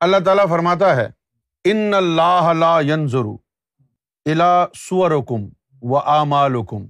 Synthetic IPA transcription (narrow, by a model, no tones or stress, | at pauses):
ɐlːaːt̪̬aːlafɐɾmaːt̪̬aɦɛ̰ː | ɪnːɐlːaːɦɐlaːjɐnzʊɾṵ | ɪlaːsʊʋɐɾʊkʊm | ʋɐʔaːmaːlʊkʊm